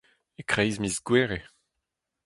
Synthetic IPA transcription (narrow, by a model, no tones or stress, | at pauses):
ekχɛjzmizɡweːʁe